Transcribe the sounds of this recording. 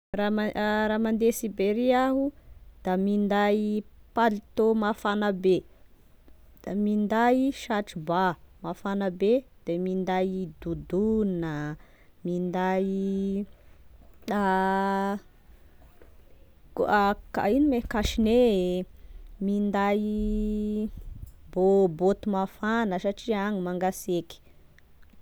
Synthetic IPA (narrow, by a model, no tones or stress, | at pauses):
raaɾamand̪esibeɾiaɦud̪̥amind̪ajpalit̪omafanabe | d̪̥amind̪ajiʃaʈ͡ʂibamafanəbed̪̥emind̪ajd̪ud̪unə | mind̪aj | kaka̰inimekaʃine | mind̪aj | bobot̪umafanəsaʈ͡ʂiaŋimaŋɡaseki̥